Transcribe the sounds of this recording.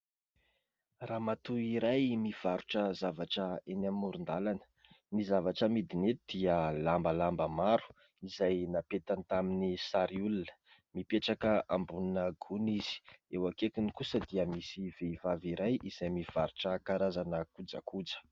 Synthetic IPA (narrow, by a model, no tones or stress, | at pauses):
raːmat̪uiɾajmiv̥aɾuʈ͡ʂəzavaʈ͡ʂəenamːuɾund̪alanə̥ | nizavaʈ͡ʂəmid̪inet̪d̪̥iəlambəlambəmaɾu̥ | izajnapet̪ant̪aminisaɾiulunə̥ | mipeʈ͡ʂakəʔambununəɡuniz̥i̥ewakekunikusəd̪iəmisiv̥eivaviɾajʔiz̥ajmiv̥aɾuʈ͡ʂəkaɾazanəkud͡za̰kud͡zə̥